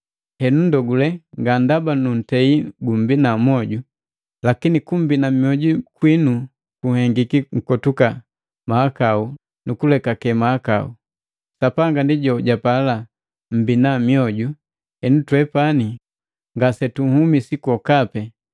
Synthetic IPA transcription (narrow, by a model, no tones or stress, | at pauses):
hɛnundɔɡulɛŋɡandabanun̩tɛiɡum̩binamɔɟu | lakinikum̩binamiɔɟukwinu | kuhɛŋɡikiŋ̩kɔtuka | maakau | nukulɛkakɛmaaka̰u | sapaŋɡandiɟɔɟapala | m̩binamiɔɟu | hɛnutwɛpani | ŋɡasɛtuŋ̩humisikuɔkapɛ